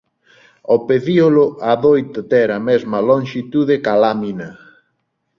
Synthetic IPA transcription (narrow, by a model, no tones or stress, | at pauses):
opeðiolʊaðojt̪ot̪ɛɾɐmɛzmɐloŋʃit̪uðekalaminɐ